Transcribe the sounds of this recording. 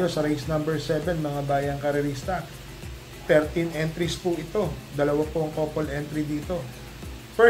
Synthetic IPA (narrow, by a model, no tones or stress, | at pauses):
jo̞sɐɾejsnɐmbɛɹsɛvɛnmɐŋabaːjɐŋkɐɾɛɾist̪ɐ | t̪ɛɾt̪inʔɛnt̪ɾispʊʔɪt̪o̞d̪ɐlɐwapoʔɐŋkoːpolʔɛnt̪ɾid̪iːt̪o̞ | fɛ